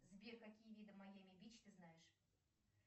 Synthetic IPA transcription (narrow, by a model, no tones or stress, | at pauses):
zbʲekɐkʲijəvʲid̪əmɐjamʲɪbʲit͡ɕt̪ɨznajɪʂ